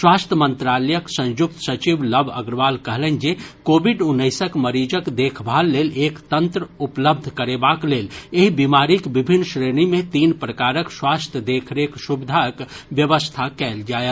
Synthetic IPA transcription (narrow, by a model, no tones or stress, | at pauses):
swaːst̪ʰjəmə̃nt̪ɾaːləjəksə̃wjuk̚t̪sət͡ʃibləbʱə̰ɡɾʋalkəɦlɛnd͡ʒekobiɖunːəɪsəkməɾid͡ʒəkd̪eːkʰbʱalːeːlekt̪ənt̪ɾəupləb̚d̪ʱkəɾebakleːleɦibimaɾikbibʱinːʃɾeɽimẽt̪iːnpɾəkaɾəkswaːst̪ʰjəd̪ekʰɾeksubid̪ʱakʋjəʋəst̪ʰakɛld͡ʒaːje